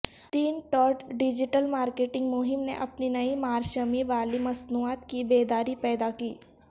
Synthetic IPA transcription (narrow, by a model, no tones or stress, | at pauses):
t̪iːnʈɔːʈɖɪd͡ʒɪʈəlmaːɾkeːʈɪ̃ŋɡmʊɦɪmnḛʔɐpninɐimaːɾʃəmiʋaːlimɐsnuaːt̪kibeːd̪aːɾipɛːd̪akiː